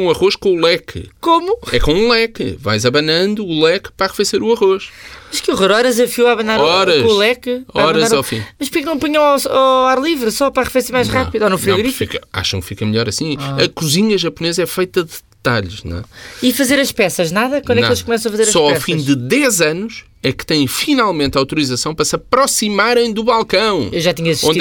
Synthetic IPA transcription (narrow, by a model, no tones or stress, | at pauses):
ũɐʁoʃkõulˠɛkɨkomuɛ̰kõũlˠɛkɨva̰jzɐβɐnɐ̃nd̪uːlˠɛkpɾaʁɨfeseɾuɐʁoʃmɐʃkuʁoɾɔɾɐzɐfjuwaβɐnaɾɔɾɐʃulˠɛkɾaɔɐɾɐazɾawfḭ̃mɐʃ̬pɾkɛknɐ̃w̃puɲɐ̃w̃awaaɾlˠivɾsɔpɾaʁɨfeseɾmajʃʁapiðuɔnũfɾiɣɾifiikɐa̰ʃɐ̃w̃kfikɐmɨʎɔɾɐsĩɐkuziɲɐʒɐpunezɐɛfɐjt̪ɐðɨ | t̪aʎʃnw̰̃ɛ̰ifɐzeɾɐʃpɛsɐʒnaðɐkwɐ̃d̪d̪ɐkelˠʃkumɛsɐ̃ɐfɐzeɾɐʃsɔawfĩd̪ɨðɛzɐnuʃ | ɛkɨ̥t̪ɐ̃j̃finalˠmẽnt̪awt̪uɾizɐsɐ̃w̃pɐɾɐsɐpɾɔsimaɾɐ̃j̃d̪uβalˠkɐ̃w̃ewʒat̪iɲɐɐsʃi